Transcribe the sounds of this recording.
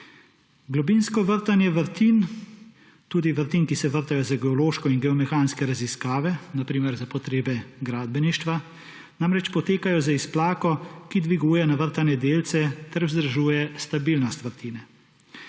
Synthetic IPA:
ɡlɔbinskɔʋəɾt̪anjɛʋəɾt̪iːn | t̪uːd̪iʋəɾt̪iːnkisɛʋəɾt̪ajɔzaɡɛɔloːʃkɔinɡɛɔmɛxaːnskɛɾaziskaːʋɛnapɾiːmɛɾzapɔt̪ɾeːbɛɡɾaːd̪̚bɛniʃt̪ʋa | namɾɛt͡ʃpɔt̪eːkajɔzaisplaːkɔkid̪ʋiɡuːjɛnaʋəɾt̪anɛd̪eːlt̪sɛt̪ɛɾwzd̪ɾaʒuːjɛst̪abilnɔst̪ʋəɾt̪iːnɛ

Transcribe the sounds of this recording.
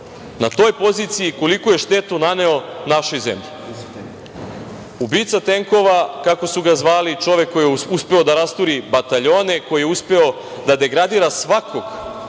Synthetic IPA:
nat̪o̞ːjpo̞zit̪sijiko̞likoje̞ʃt̪e̞t̪unane̞onaʃojzḛmʎi | ubiːt̪sat̪e̞ŋko̞ʋakako̞suɡazʋaːlit͡ʃo̞ʋe̞kːo̞juspe̞o̞d̪aɾast̪uɾibat̪aʎo̞ːne̞ko̞jijeuspe̞o̞ | d̪ad̪e̞ɡɾad̪iːɾasʋakʰo̞ɡ

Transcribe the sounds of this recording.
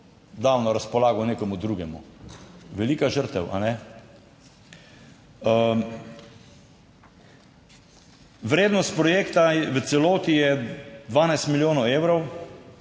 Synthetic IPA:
d̪awnɔɾaspɔlaːɡɔneːkɔmud̪ɾuːɡɛmṵ | ʋɛliːkaʒəɾt̪ɛwʔa̰nɛ | ʋɾeːd̪nɔst̪̚pɾɔjeːkt̪aʋət̪sɛloːt̪ijɛd̪ʋaːnajst̪miljoːnɔwewɾɔw

